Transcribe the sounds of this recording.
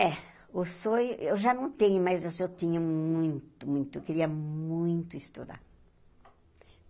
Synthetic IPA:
ɛ | osojewʒanɐ̃w̃t̪ẽɲʊmazewsewt̪ĩɲɐmũj̃t̪ʊmũj̃t̪ʊewkeɾiɐmũj̃t̪ʊist̪ud̪a̰ɾ

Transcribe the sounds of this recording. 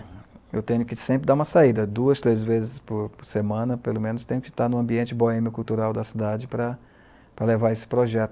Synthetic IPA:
ḛwt̪ẽɲʊkɪsẽpɾɪd̪aũmɐsaid̪ɐd̪uɐst̪ɾezvezɪspʊɾpʊɾsemɐ̃nɐpelomẽnʊst̪ẽɲʊkɪ̥t̪aɾnʊ̃ɐ̃mbiẽnt͡ʃɪboẽmɪkuwt̪uɾawd̪ɐsid̪ad͡ʒɪpɾɐ | pɾɐlevaɾesɪ̥pɾoʒɛt̪ʊ

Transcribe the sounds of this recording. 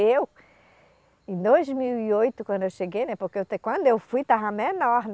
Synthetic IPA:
ew | ẽd̪ojzmiwiojt̪ʊkwɐ̃nd̪ʊewʃeɡejnɛ̃poɾkeewt̪ekwɐ̃nd̪ʊewfujt̪aɦɐ̃menɔɾn

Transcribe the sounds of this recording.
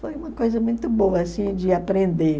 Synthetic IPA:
fojũmɐkojzɐmũj̃t̪ʊboɐsĩd͡ʒɪapɾẽnd̪e

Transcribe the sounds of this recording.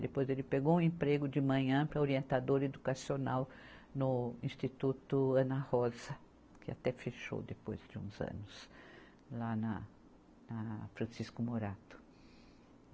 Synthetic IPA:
d̪epojzelɪpeɡowũẽmpɾeɡʊd͡ʒɪmɐ̃ɲɐ̃pɾɐoɾiẽnt̪ad̪oɾed̪ukasionawnʊĩst̪it̪ut̪ʊɐ̃nɐhɔzɐ | kɪa̰t̪ɛfeʃo̰d̪epo̰jzd͡ʒɪṵ̃zɐ̰̃nʊs | lanɐ | nɐfɾɐ̃siskʊmoɾat̪ʊ̥

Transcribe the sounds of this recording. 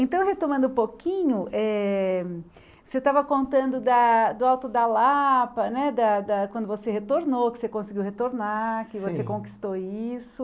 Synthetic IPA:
ẽnt̪ɐ̃w̃ɦet̪omɐ̃nd̪ʊũpokĩɲʊʔɛ | set̪avɐkõnt̪ɐ̃nd̪ʊd̪ɐd̪ʊawt̪ʊd̪ɐlapɐnɛd̪ɐd̪ɐkwɐ̃nd̪ʊvosehet̪oɾnowkɪ̥sekõsɪɡiwhet̪oɾnakɪvosekõki̥st̪oisʊ

